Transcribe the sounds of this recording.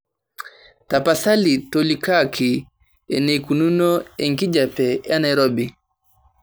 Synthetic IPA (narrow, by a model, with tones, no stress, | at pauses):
ta˨paθa˦li˨tɔ˨lika˦kʰi˨ | ɛ̰˨ne˨ku˨nu˦nɔ˦ɛ˨ŋki˦d͡ʒa˨pɛ˨ja˦na˨iɾɔ˦bi˨